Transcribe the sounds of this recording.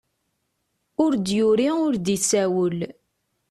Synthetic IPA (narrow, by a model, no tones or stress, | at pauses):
ʊɾd̪jʊɾiʊɾd̪isæwəl